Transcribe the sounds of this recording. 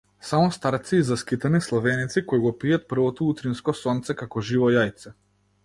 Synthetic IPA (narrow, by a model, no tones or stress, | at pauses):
samɔst̪aɾt̪siːzaskit̪anislˠavɛnit̪sikɔjɡɔpijat̪̚pr̩vɔt̪ɔut̪ɾinskɔsɔnt̪sɛkakɔʒivɔjajt̪sɛ